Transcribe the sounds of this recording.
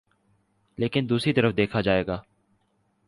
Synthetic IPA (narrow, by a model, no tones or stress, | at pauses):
leːkɪnd̪uːsɾit̪əɾəfd̪eːkʰad͡ʒaːeːɡaː